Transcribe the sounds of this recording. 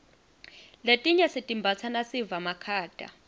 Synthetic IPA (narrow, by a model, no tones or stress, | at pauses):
letʼiɲasitʼimbʱat͡sʰanasivamakʰaːd̥ʼa̰